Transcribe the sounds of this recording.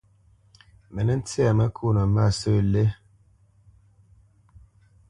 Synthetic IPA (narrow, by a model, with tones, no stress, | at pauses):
mɛ˨nɛ˦n̩˦t͡sa˨mɛ˦kʰu˦˨nə˨ma˦˨sə˦˨le˦